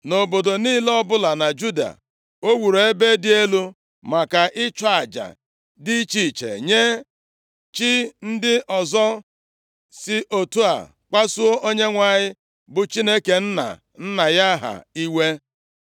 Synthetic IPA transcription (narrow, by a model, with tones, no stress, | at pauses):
no˨bo˨do˨niː˦lɔ˦bʊ˦la˨na˨d͡ʒu˦da̰˨ | o˦wu˨ɾo˨e˦be˦dɪ˦e˦lu˦ | ma˨ka˨ʔɪ˦t͡ʃɔ˦a˨d͡ʒa̰˨ | dɪ˦t͡ʃiː˨t͡ʃḛ˨ɲe˦ | t͡ʃi˦n̩˦dɪ˦ʔɔ˨zɔ˦ | sɪ˦ʔo˨tu˦a̰˨ | k͡pa˦su˦o˦ʔo˦ɲe˦ŋʷa˨ɲɪ˦ | bʊ˨t͡ʃi˦ne˦ke˨n̩˦na̰˨ | n̩˦na˨ja˦ɦa̰˨i˦we˦